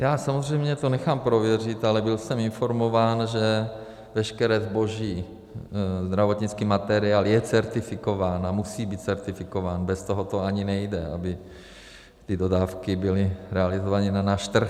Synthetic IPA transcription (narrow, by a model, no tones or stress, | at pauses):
jaːsamozr̝ɛjmɲɛt̪onɛxaːmpɾo̞vjɛr̝ɪt̪alɛbɪlsɛmɪnfo̞ɾmo̞vaːnʒɛ | vɛʃkɛɾɛːzbo̞ʒiː | zd̪ɾavo̞t̪ɲit͡skiːmat̪ɛɾɪaːljɛt͡sɛɾt̪ɪfɪko̞vaːnamusiːbiːt̪̚t͡sɛɾt̪ɪfɪkovaːnbɛst̪oɦot̪oaɲinɛjdɛa̰bɪ | t̪ɪdo̞daːfkɪbɪlɪɾɛalɪzovanɪnanaːʃt̪r̩x